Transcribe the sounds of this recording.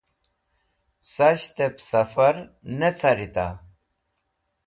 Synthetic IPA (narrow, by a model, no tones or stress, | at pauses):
sɐɕt̪epsɐfɐɾnet͡sʰaɾit̪a̰